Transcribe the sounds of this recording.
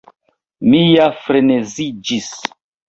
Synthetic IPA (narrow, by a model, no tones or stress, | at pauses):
mijafɾenezid͡ʒis